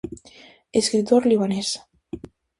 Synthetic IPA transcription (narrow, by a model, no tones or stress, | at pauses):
eskɾit̪oɾliβ̞anes